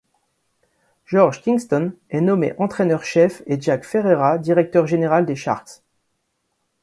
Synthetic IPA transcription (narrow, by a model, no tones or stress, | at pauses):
ʒɔʁʒkʲĩŋst̪ɔnɛnɔmḛʔɑ̃t̪χɛnœʁʃɛfeʒakfeʁeʁad̪iʁɛk̚t̪œʁʒeneʁald̪eʃa̰ʁt̪s